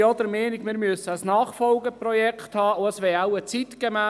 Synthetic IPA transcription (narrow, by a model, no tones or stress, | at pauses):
ɔd̪əɾmeːnɪkmɪɾmyəsəəsnɑːχfɔlɡəprɔjɛkχt̪hɑːʊəsʋɛaʊət͡sit̪ɡ̥emæː